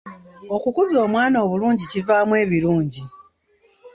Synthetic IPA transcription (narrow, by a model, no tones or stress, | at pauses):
o̞kukuzo̞ːmwaːno̞ːβuluːɲɟicivaːmwe̞ːβiluːɲɟi